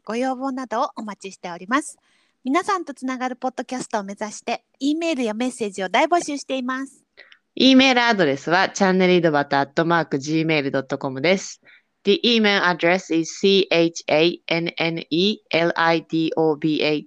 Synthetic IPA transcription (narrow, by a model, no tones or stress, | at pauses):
ɡ̥o̞jo̞ːbo̞ːnad̪o̞ːʔomat͡ɕiɕi̥t̪e̞o̞ɾʲimasɨ̥ | mʲinasãnt̪o̞t͡sɨnaɡaɾɯ̟po̞d̪ːo̞kʲasɨ̥t̪o̞ːme̞zaɕi̥t̪e̞ | iːme̞ːɾɯ̟jame̞se̞ːd͡ʑio̞d̪aibo̞ɕɨːɕi̥t̪e̞imasɨ̥ | iːme̞ːɾɯ̟ad̪o̞ɾe̞sɨβat͡ɕãnːe̞ɾʲid̪o̞bat̪aːt̪ːo̞maːkɯ̟ʑiːme̞ːɾɯ̟d̪o̞t̪ːo̞ko̞mɯ̟d̪e̞sɨ̥ | d̪̥iʔiːme̞ːɾɯ̟ad̪ɾe̞sizsiːʔet͡ɕi̥eieneniːeɾɯ̟ʔait̪iːʔoːbiːʔei